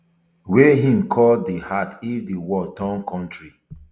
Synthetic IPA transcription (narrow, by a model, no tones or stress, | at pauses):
weɦĩmkʰɔldihatʰivdiwɔtãnkʰɔ̃ntɹi